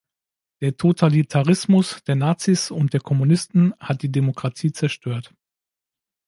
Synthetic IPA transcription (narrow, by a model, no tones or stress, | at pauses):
d̥eːɐtʰotʰalitʰaʁ̞ɪsmʊsd̥eːɐnaːt͡sisʊnt̚d̥eːɐkʰɔmunɪstn̩hat̚d̥iːdemokʁ̥atʰiːt͡sɛɐʃtøːɐt